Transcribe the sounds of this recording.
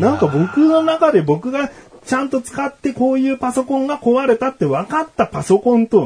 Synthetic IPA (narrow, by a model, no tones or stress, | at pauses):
nãŋkabo̞kɯ̟no̞nakad̪e̞bo̞kɯ̟ɡat͡ɕãnt̪o̞t͡sɨ̥kat̪ːe̞ko̞ːjɯ̟ːpaso̞kõ̞ŋɡako̞βaɾe̞t̪at̪ːe̞βakat̪ːapaso̞kõ̞nt̪o̞